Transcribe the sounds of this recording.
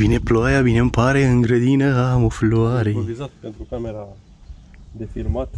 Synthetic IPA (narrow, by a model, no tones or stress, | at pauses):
vine̞ploajavinempaɾeɨŋɡɾəd̪inəamofloaɾeovizat̪pe̞nt̪ɾukameɾa | d̪efirmat̪